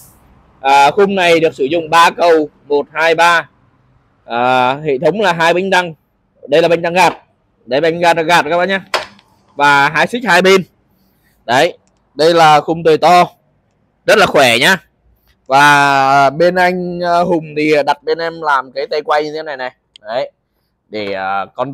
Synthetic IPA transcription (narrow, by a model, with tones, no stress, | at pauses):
ʔəː˨˩xʊ˧ŋ͡mna˨˩jɗɨ˨˩ək̚sɨ˧˩zʊ̰˧˨ŋ͡mɓaː˧kə˨˩w | mo˨˩t̚haː˧jɓaː˧ | ʔəː˨˩hḛ˧˨t̪ʰə˨˦wŋ͡mlaː˨˩ɦaː˧jɓï˧ŋ̟t̪a˧ŋ | ɗə˧jlaː˨˩ɓe˧jŋ̟ɗ̪a˧ŋɣaː˨˩t̚ | ɗə˨˦jɓa˧jŋ̟ɣaː˧˩t̚ɣaː˨˩t̚kaː˦˥ɓa˧˦ɲaː˧ | vaː˨˩ɦaː˧jsi˦˥k̚haː˧jɓe˧n | ɗə˨˦j | ɗə˧jlaː˨˩xʊ˨˩ŋ͡mt̪ə˨˩jt̪ɔ˧ | zə˦˥t̚laː˨˩xwɛ˧˩ɲaː˧ | vaː˨˩ə˨˩ɓe˧nʔa˧jŋ̟əː˧ɦʊ˨˩ŋ͡mt̪ʰi˨˩˨ɗa˨˩t̚ɓe˧nʔɛ˧mlaː˨˩mkaː˨˦jt̪e˧kwa˧jɲɨ˧t̪ʰe˨˦na˨˩jna˨˩j | ɗə˨˦j | ɗe˧˩ʔəː˨˩kɔ˧n